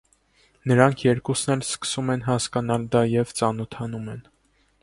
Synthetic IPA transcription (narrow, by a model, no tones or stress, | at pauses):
nəɾɑŋkʰjɛɾkusnɛlskə̥sumɛnɦɑskɑnɑld̪ɑjɛvt͡sɑnɔt̪ʰɑnumɛn